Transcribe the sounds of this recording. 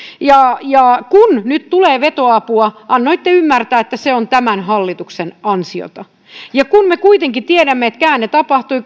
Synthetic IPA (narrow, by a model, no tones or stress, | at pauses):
jɑjɑkunnyt̪t̪uleːʋet̪oɑpuɑʔɑnːoit̪ːeymːært̪æːet̪ːæseont̪æmænɦɑlːit̪uksenɑnsio̰t̪ɑ | jɑkunmekuit̪eŋkit̪ieɾæmːeet̪kæːnnet̪ɑpɑht̪ui